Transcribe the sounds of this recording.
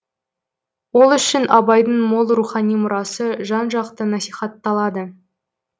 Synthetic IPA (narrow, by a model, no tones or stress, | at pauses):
wolˠʏʃɪnʔɑbɑjd̪əɴmolˠɾuχɑnijmʊɾɑsəʒɑnʒɑqt̪ənɑsijχɑt̪ːɑlˠɑd̪ə